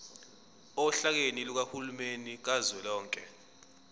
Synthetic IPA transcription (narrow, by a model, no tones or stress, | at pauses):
ɔɬak̬eniluk̬ahulumenik̬azwɛlɔːŋkʼɛ